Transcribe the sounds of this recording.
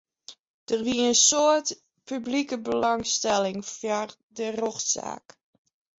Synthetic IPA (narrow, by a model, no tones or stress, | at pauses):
d̥ərʋiəənsoət | pyblikəbəlɑŋstɛlɪŋfjar | dəroxsa̰ːk